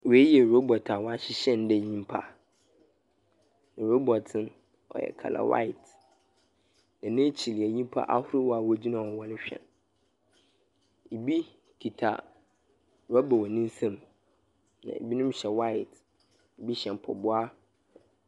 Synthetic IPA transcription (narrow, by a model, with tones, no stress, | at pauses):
we˦jɛ˨ɾo˦bɔ˨tʰa˨wɔ˦a˦ɕɪ˦ɕɛ̃˦n˦dɛ˦˨ɲĩ˦m˦pʰa̰˦ | nã˨ɾo˦bɔ˨tʰɪ̃˦n | ɔ̰˨jɛ̰˨kʰa̰˨la̰˨wa̰˦ɪ˨t | nã˨nɪ̃˦t͡ɕʰi˨li˨a˨ɲĩ˦m˦pʰa̰˦ʔa˦hʊ˦ɾɪ˦wɔ˦a˨wɔ˦d͡ʑi˦nã˨wɔ˨wɔ˦lɪ˦ɕᶣɛ̰̃˨n | e˨bi˦ | kʰi˨tʰa̰˨ | ɾɔ˦bɔ˨wɔ˨nĩ˦n˦sã˦m | nã̰˨ḛ˨bi˦nʊ̃˦mɕɛ˨wa˦ɪ˨t | e˨bi˦ɕɛ̃˨m˨pʰɔ̰˨bʊ˦a˦